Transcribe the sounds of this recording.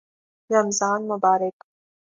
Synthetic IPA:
ɾɐmzaːnmʊbaːɾɪk

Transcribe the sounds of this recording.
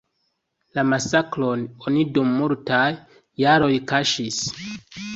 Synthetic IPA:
lamasaklo̞no̞nidumːuɾtajː | aɾo̞jkaʃis

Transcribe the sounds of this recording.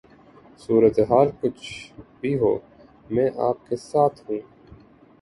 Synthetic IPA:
suːɾət̪eɦaːlkʊt͡ʃʰbʱiɦo̰ː | mɛ̃ːʔaːp̚kesaːt̪ʰɦũː

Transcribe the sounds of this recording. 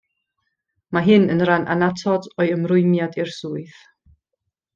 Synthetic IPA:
maɦɨnənranʔa̰natʰɔdɔɨəmrʊɨmjadirsuːɨθ

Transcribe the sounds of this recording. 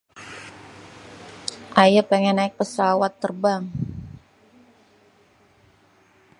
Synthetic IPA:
ʔajapeŋɛnːaɪk̚pəsawat̪ːərbaŋ

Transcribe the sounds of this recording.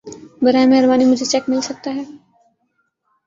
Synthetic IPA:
bɐɾaːmeɦəɾbaːnimʊd͡ʒʱet͡ʃɛkmɪlsɐk̚t̪aɦɛː

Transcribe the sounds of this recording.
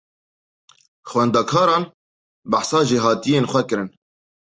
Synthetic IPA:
xwɛnd̪ɑːkʰɑːɾɑːn | baħsɑːʒeːɦɑːt̪ijeːnxʷɛkɨɾɨn

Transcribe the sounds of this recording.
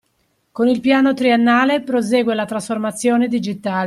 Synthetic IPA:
konilpjaːnot̪ɾienːaːlepɾozɛːɡwelat̪ɾasformat̪sːjɔːned̪id͡ʒit̪aːl

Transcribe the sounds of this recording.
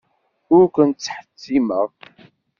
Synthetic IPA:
ʊɾkʷənt͡sːħə̥t͡sːiməʁ

